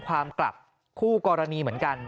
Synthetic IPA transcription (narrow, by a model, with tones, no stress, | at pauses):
kʰwaː˧mkla̰˨˩p̚ | kʰuː˥˩kɔː˧ɾa˧niː˧mɯ˩˦ənka˧n